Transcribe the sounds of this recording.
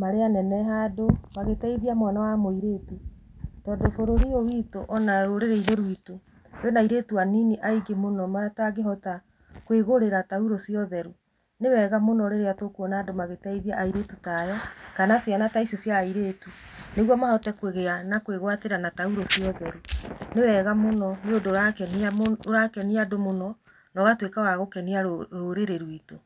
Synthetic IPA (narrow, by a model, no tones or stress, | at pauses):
maɾeanɛnɛɦadomaɣetaiðiamwanawamoiɾetutɔdofoɾoɾiowitoʔɔnaɾoɾeɾeiɾeɾwito | enaiɾeːtuaniniʔaiɡemonɔmaataɡeɦɔta | kweɣoɾeɾatauɾosiɔðɛɾu | newɛɣamonɔɾeɾeatokwɔnaːdomaɣetɛiðiaʔaiɾetutajɔkanasjanataisosjaiɾeːtuneɣwɔmahɔtɛkweɣeanakweɣwateɾanatauɾosiɔðɛɾunewɛɣamonɔneodoɾakɛnaɾakɛniadomonɔ | nɔɣatwekawaɣokɛniaɾoɾeɾeɾwito